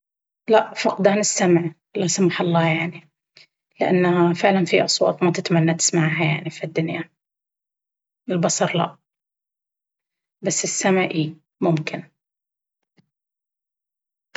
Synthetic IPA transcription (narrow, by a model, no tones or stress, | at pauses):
laʔfɑqd̪aːnɪsːamʕ | lasamħɑlˤːɑːjaʕni | lɪʔa̰nːafɪʕlanfiʔɑsˤwɑ̰ːt̪ˤmat̪ɪt̪manːat̪ɪ̥smaʕɦaja̰ʕnifid̪ːʊnja | ɪlbɑsˤɑɾˤla̰ʔ | basːɪsːamʕʔiː | mʊmkʰɪn